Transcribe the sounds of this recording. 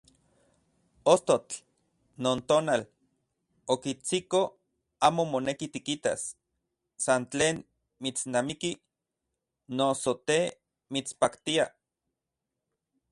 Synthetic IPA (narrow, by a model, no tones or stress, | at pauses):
ost̪ot͡ɬ | noːnt̪oːnal | okit͡siko | aːmomonekit̪ikit̪a̰s | sant͡ɬeːn | mit͡snamiki | nosot̪e | mit͡spakt̪ia